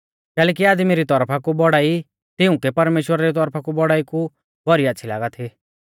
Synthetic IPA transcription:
kɛːlɛːk̬iaːd̪miɾit̪ɔɾpʰakubɔɽaːi | t̪ɪʊ̃kɛpɐɾmeːʃwəɾaɾit̪̬ɔɾpʰakubɔɽaːiku | bɔɾiɐtːʃʰila̰ːɡat̪ʰi

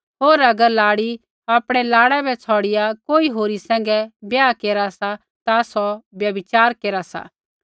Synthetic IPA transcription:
ɦoːɾɐɡəɾlaːɽi | aːpɽ̃ɛlaːɽɛbʱɛt͡sʰɔːɽɪjakoːiɦoːɾisɛ̃ːŋ̆ɡɛbjaːkeːɾasa | t̪asɔbjɐbɪt͡ʃaːɾkeːɾasa̰

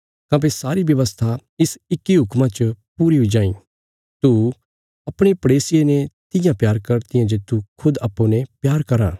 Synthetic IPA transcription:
kãːp̬esaːɾibjɐʋəst̪ʰaɪsɪkːiɦʊkmãt͡ʃəpuːɾiɦoid͡ʒãːĩː | t̪u | ɐpɽ̃epɐɽeːsɪjenɛt̪ɪjãpjaːɾkɐɾt̪ɪjãd͡ʒet̪ːukʰʊd̪apːũnɛ̃pjaːɾkɐɾã̰ː

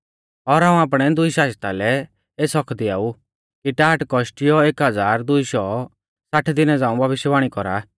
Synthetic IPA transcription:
ɔɾɦãːũaːp̬ɽ̃ɛd̪ʊiʃaːst̪alɛ | eːsɔkʰd̪ia̰ːu | kiʈaːʈkɔʃʈɪjɔeːkɦɐd͡zaːɾd̪ʊiʃɔ | saʈʰd̪ɪnɛd͡zãːũbʱɐbɪʃjəbaːɽ̃ikɔɾa̰

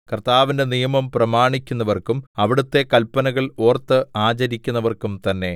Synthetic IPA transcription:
kɐrt̪aːʋinde̞nijɐmɐmprɐmaːɳikʲːunːɐʋɐrkumɐʋiɽut̪ːe̞kɐlpːɐnɐɣɐɭo̞ːrt̪ːɨaːt͡ɕɐɾikʲːunːɐʋɐrkumt̪ɐnːe̞

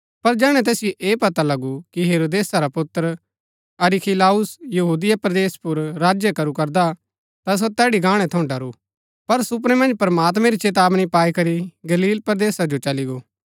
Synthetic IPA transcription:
pɐɾd͡ʒɛːɽ̃ɛ̃t̪̬ɛːsɪjoʔeːpɐt̪alɐɡukiɦeːɾoːd̪eːsaɾapʊt̪ːəɾ | ɐɾikʰilaːʊsjɐɦuːd̪ɪjapɾɐd̪eːspʊɾɾaːd͡ʒjəkɐɾukɐɾd̪a | t̪as̬ot̪ɛːɽiɡãːɽ̃ɛ̃t̪ʰɐʊ̃ɖɐɾu | pɐɾsʊp̬ɾɛmɐ̃nd͡ʒpɾɐmaːt̪mɛ̃ɾit͡ʃeːt̪aːbnĩpaːikɐɾiɡɐliːlpɾɐd̪eːsad͡ʒot͡ʃɐliɡoː

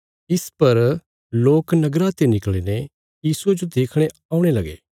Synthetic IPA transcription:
ɪspɐɾ | loːknɐɡɾat̪enɪkliːne | jiːsued͡ʒod̪eːkʰɽ̃e | aːʊ̃ɽ̃elɐɡḛː

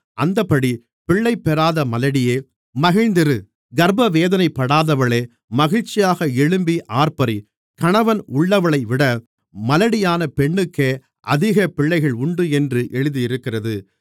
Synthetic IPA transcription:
ʔɐnd̪ɐpːɐɽi | pɪɭːɐɪpːɛɾaːðɐmɐlɐɽɪjeː | mɐɣɪɻnd̪ɪɾɯ | ɡɐɾbɐʋeːðɐnɐɪpːɐɽaːðɐʋɐɭeː | mɐɣɪɻt͡ʃːɪjaːɣɐɛɭɯmbiʔaːɾpɐɾi | kɐɳɐʋɐnʊɭːɐʋɐɭɐɪʋɪɽɐ | mɐlɐɽɪjaːnɐpɛɳːɯkːeː | ʔɐ̰ðɪɣɐpɪɭːɐɪɣɐɭʊɳɖɯɛndrɯʔɛɻɯðijɪɾɯkːɪrɐðɯ

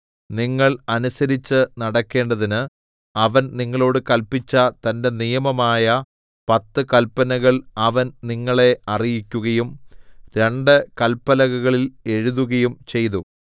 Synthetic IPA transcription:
niŋːɐɭɐnusɐɾit͡ɕːɨnɐɽɐkːe̞ːɳɖɐðinɨ | ɐʋɐnniŋːɐɭo̞ːɽɨkɐlpit͡ɕːɐt̪ɐnde̞nijɐmɐmaːjɐ | pɐt̪ːɨkɐlpːɐnɐɣɐɭɐʋɐnniŋːɐɭe̞ɐrijikʲːuɣɐjumɾe̞ɳɖɨkɐlpːɐlɐɣɐɣɐɭile̞ɻuðuɣɐjumt͡ɕe̞jt̪u

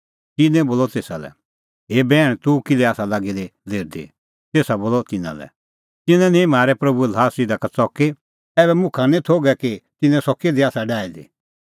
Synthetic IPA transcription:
t̪ɪnɛ̃boːlɔt̪eːsalɛ̰ | ɦeːbɛːɽ̃t̪ukɪlɛaːsalaɡid̪ed̪ʱeːɾd̪ḛ | t̪eːsaboːlɔt̪ɪnã̰lɛ̰ | t̪ɪnɛ̃nĩmaːɾɛpɾɐbulaːsɪd̪akat͡sɔke | ɛːβɛmʊ̃kʰanĩt̪ʰoːɡɛkit̪ɪnɛ̃sɔked̪eaːsaɖaːid̪ḭ

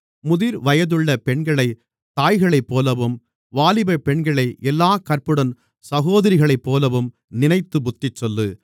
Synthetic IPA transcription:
mʊðɪɾʋɐjɐðɯɭːɐpɛɳɡɐɭɐɪ | t̪aːjɣɐɭɐɪpːoːlɐʋɯm | ʋaːlɪbɐpɛɳɡɐɭɐɪʔɛlːaːkɐrpɯɽɐn | sɐɣoːðɐɾɪɣɐɭɐɪpːoːlɐʋɯm | nɪnɐɪt̪ːɯbʊt̪ːɪt͡ʃːɔlːɯ

